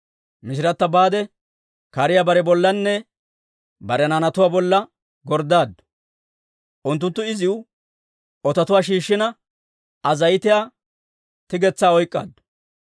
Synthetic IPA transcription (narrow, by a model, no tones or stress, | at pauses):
mɪʃɪɾɐt̪ːɐbaːd̪ɛ | kɐɾɪjabɐɾɛbɔlːɐnːɛ | bɐɾɛnanɐt̪ʊwaːbɔlːɐ | ɡɔɾd̪aːd̪ːʊ̥ | ʔʊnt̪ːʊnt̪ːʊɪzɪʊ | ɔt̪ɐt̪ʊwaːʃ̬iːʃːɪnɐ | ɐzɐjɪt̪ɪjaː | t̪ɪɡɛt͡sːaːɔjkʼːa̰ːd̪ːʊ̥